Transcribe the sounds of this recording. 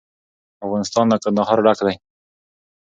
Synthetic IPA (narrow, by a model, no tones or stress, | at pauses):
afɣɑnɪst̪ɑnd̪əkand̪aɦɑɾɖakd̪aj